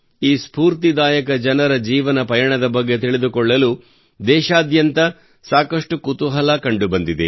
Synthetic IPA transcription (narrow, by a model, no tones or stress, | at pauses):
iːspuːɾt̪id̪aːjɐkɐd͡ʒɐnɐɾɐd͡ʒiːʋɐnɐpɐjɐɳɐd̪ɐbɐɡːe̞t̪iɭed̪ukɔɭːɐlu | d̪ɛːʃaːd̪jɐnt̪ɐ | saːkɐʂʈukut̪uɦɐlɐkɐɳɖubɐnd̪id̪e